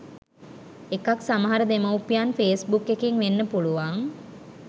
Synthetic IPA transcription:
ekaksaməɦaɾəd̪emɐwpijanfeːsbukːekeŋʋenːəpuluʋaŋ

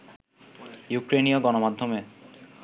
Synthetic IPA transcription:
jukɾenioɡɔnomad̪ʱːome

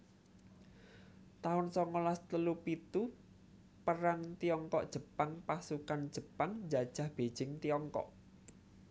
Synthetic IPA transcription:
t̪aʊnsɔŋɔlast̪əlupit̪u | pəɾaŋt̪iɔŋkɔʔd̥ʒ̥ə̤paŋpasukand̥d͡ʒ̥ə̤paŋd͡ʒad̥ʒ̥a̤hb̥ed̥ʒ̥ɪŋt̪iɔŋkɔ̰ʔ

